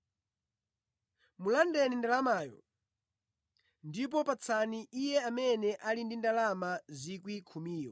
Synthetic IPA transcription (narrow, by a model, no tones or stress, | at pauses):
mulandɛnindalamaːjɔ̰ | ndip̬ɔpat͡sʰaniʔijɛamɛnɛʔalindindalamazikwikʰumiːjɔ̰